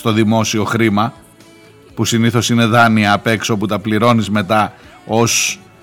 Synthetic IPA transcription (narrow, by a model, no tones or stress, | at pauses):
st̪o̞ðimo̞sio̞xɾimɐ | pusiniθo̞sine̞ðɐniɐːpe̞ksoput̪ɐpliɾo̞nizme̞t̪ɐo̞s